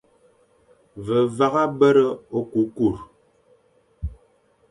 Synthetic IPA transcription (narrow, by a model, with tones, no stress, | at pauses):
və˨va˦ɣa˦bə˦ɾə˦o˦ku˨˦ku˦˨ɾ